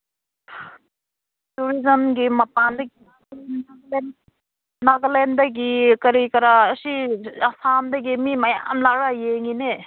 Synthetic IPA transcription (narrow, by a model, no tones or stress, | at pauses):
tuɾizənɡimɐpand̪ɐɡi | ln | naɡlend̪aɡikɐɾikɐɾaːsiasamd̪ɐɡimimaja̰mlaɾajeŋine